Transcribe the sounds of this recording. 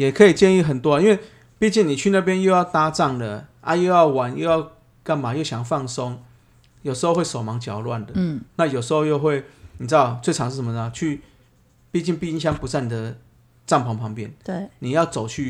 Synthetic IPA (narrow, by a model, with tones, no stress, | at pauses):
jɛ˨˩kʰɤ˧˥i˨˩t͡ɕjɛ˥˧ni˥˨˩xə˨˩nt̪wɔ˦i˥nwe˥˧ɪ | pi˥˧t͡ɕi˥˩ni˨˩t͡ɕʰy˥˧na˥˨˩p̬jɛ˦njo˥˧ʊjɑ˥˩ʊt̪a˥t͡sɑ˥˩ŋlə˨˩ʔa̰˦jo˥˧ʊjɑ˥˩ʊwa˨˦njo˥˧ʊjɑ˥˧ʊ | ka˥nma˨˦jo˥˩ʊɕjɑ˨˩ŋfɑ˥˩ŋso˦ŋ | jo˨˩sʂ̩˧xo˥˧xwe˥˩ɪso˨˩ʊmɑ˨˥ŋt͡ɕjɑ˨˩ʊlwa˥˨˩nd̪ə˩na˥˨jo˨˩ʊʂ̬ɨ˧˥xo˥˧jo˥˧ʊxwe˥˩ɪni˨˩t͡s̩˥d̪ɑ˥˩ʊt͡sʰwe˥˩ɪʈ͡ʂʰɑ˧˦ŋʂ̬̩˥˩ʂə˩˦mə˧nə˨t͡ɕʰy˥˧ | pi˥˧t͡ɕi˥˧npi˥˧i˥nɕ̬jɑ˥ŋpu˧˥t͡sa˥˩ɪni˨˩d̪ə˩ | t͡sɑ˥˩ŋpʰɑ˧˥ŋpʰɑ˧˥ŋpjɛ˥˨nni˨˩jɑ˥˩ʊt͡so˨˩ʊt͡ɕʰy˥˩